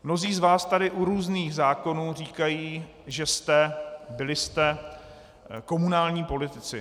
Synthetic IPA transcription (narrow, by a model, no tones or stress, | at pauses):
mno̞ziːzvaːst̪adɪʔuɾuːzniːɣzaːko̞nuːr̝iːkajiː | ʒɛst̪ɛbɪlɪst̪ɛ | ko̞munaːlɲiːpo̞lɪt̪ɪt͡sɪ̰